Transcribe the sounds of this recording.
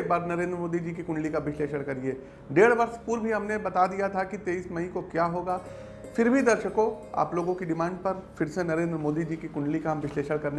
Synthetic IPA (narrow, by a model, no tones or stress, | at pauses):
kbaːɾnɐɾẽːnd̪ɾəmoːd̪id͡ʒiːk̬ikʊ̃ɳɖlikaʋɪʃleːʃəɽ̃kɐɾieː | ɖeːɽʋɐɾspuɾbʱiɦɐmnebɐt̪ad̪ijat̪ʰakit̪eːiːsmɐĩkokjaːɦoːɡaː | fɪɾbʱid̪ɐɾʃəkõ | a̰ːploːɡõkiɖɪmãːɳɖ̚pɐɾfɪɾsenɐɾeːnd̪ɾəmoːd̪id͡ʒiːkikʊ̃ɳɖlikaɦɐmʋɪʃleːʃəɽkɐɾne